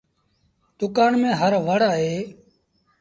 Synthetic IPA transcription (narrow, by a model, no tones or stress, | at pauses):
d̪ʊkaːɳmẽːɦəɾʋəɽaːɦeː